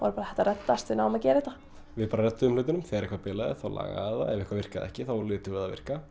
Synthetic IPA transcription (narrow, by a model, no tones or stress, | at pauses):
va̰ɾpaːɾaɛht̪arɛt̪ːast̪vɪnaːwmacɛːɾɪht̪a | vɪðpaːɾarɛt̪ːʏʏmlʏːt̪ɪnʏmθɛɾɛhkvaɾpɪːlaðɪ̰θawla̰ːɣa̰aða̰ɛvɪhkvavɪr̥kaðɛ̰hcɪθawlɪːt̪ʏvɪðavɪ̰r̥ka